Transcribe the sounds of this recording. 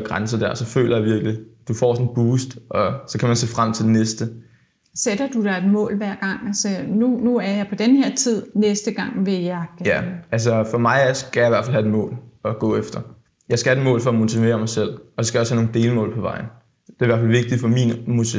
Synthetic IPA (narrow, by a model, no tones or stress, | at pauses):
ɡ̥ʁansɐd̥æɐ̰sɒ̽fø̰ːlɐjɑ̈ʋiɐɡ̥lid̥ufɒ̰ːsɒ̽nb̥uːsd̥ʔɒ̽sɒ̽kʰæmænse̝̰ːfʁam̰t͡sʰe̝d̥enesd̥ə | sed̥ɐd̥ud̥ɑ̈e̝d̥mɔ̰̽ːlʋæɐ̰ɡ̥ɑ̈ŋ̰ælsɒnunuæɐjɑ̈ɪpʰɒ̽d̥enheɐ̰t͡sʰið̞̰ˠnesd̥əɡ̥ɑ̈ŋ̰ʋe̝jæɡ̥jææls̬ɒfɒ̽mɑ̈ɪsɡ̥æjɑ̈iʋæɐfælhæde̥mɔ̰̽ːlɒɡ̥ɔ̰̽ːefd̥ɐ | jɑ̈ɪsɡ̥æhæd̥emɔ̰̽ːlfɒ̽ɒmo̝t͡sʰiʋḛːɐmɑ̈ɪsel̰ʔɒ̽sɒsɡ̥æjɒshæno̝ːŋn̩d̥e̝ːlmɔ̰̽ːlpʰɒ̽ʋɑ̈ɪ̰n̩ | d̥e̝ɐiʋæɐfælʋe̝ɡ̥̚d̥i̥fɒ̽miːnmut͡sʰi